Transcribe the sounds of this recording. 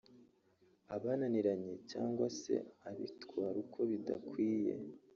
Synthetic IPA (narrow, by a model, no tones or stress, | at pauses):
aβananiɾaɲecaːŋɡwase̞̰aβḭtkwaːɾukʰo̞βida̰kwiːje̞̰